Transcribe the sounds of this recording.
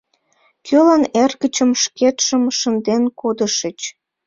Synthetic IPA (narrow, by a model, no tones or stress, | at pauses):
kʰølɑnerɣət͡ɕəmʃket̪ʃəmʃənd̪enkod̪əʃət͡ɕ